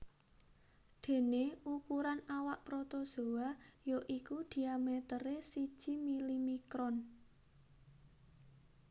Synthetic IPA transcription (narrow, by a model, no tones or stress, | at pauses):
d̪̥e̤neukuɾanawaʔpɾot̪oso̤wajoʔikud̪̥i̤amet̪əɾesid̥ʒ̥i̤milimikɾɔn